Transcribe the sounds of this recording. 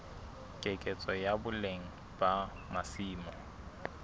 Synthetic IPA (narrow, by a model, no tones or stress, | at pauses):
kʼekʼet͡sʼɔjabʊleŋ̩ | ba | masiːmɔ